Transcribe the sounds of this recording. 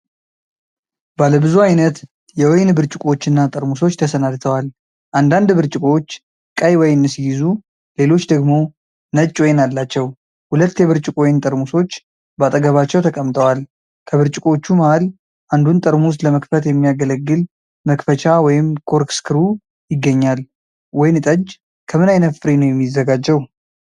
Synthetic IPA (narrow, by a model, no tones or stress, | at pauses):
baləbɨzuajnət̪ | jɛwɔjnbɨɾt͡ʃʼɪkʼo̞t͡ʃːɨnːat̪ʼəɾmuso̞t͡ʃːt̪ʰəsənad̪t̪ʰəwal | ʔand̪and̪bɨɾt͡ʃʼɪkʼo̞t͡ʃː | kʼəjwɔjnːɨsijɪzu | le̞lo̞t͡ʃːd̪əɡmo̞ | nət͡ʃʼːwojnalːat͡ʃːɛw | hulət̪ːjɛβɨɾt͡ʃʼɪkʼojnt̪ʼəɾmuso̞t͡ʃː | bat̪ʼəɡəβat͡ʃːɛwt̪ʰəkʼəmt̪ʰʼəwal | kʰəβɨɾt͡ʃʼɪkʼo̞t͡ʃːumahal | ʔand̪unt̪ʼəɾmus̬ləməkfət̪jɛmːijaɡələɡːɨl | məkfət͡ʃʰawɔjɪmkʰo̞ɾkskʰɨɾu | jɪɡːəɲːal | wɔjnɨt̪ʼəd͡ʒ | kʰəmɨnajnət̪fɨɾinəwjɛmːizːəɡad͡ʒɛw